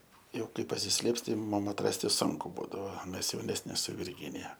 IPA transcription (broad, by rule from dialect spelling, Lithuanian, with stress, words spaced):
ˈjɛʊ ˈkɐɪ pɐsʲɪsʲˈlʲeːps ˈtɐɪ ˈmʊm ˈmɐn ɐtˈrɑːsʲtʲɪ ˈsʊŋkʊ ˈbuːdɐʋoː ˈmʲɛs jɛʊˈnʲæːsʲnʲɪ sʊ ʋʲɪrʲˈɡʲɪnʲɪjɛ